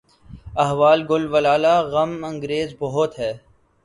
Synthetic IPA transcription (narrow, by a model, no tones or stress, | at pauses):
ɐɦʋaːlɡʊlʋɐlaːlaːɣɐmɐ̃ŋɡɾeːzbɔɦʊt̪ɦɛː